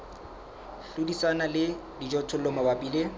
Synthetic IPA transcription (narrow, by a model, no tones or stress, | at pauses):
ɬudisanalɪdid͡ʒɔtʰʊlɔmabapʼiːle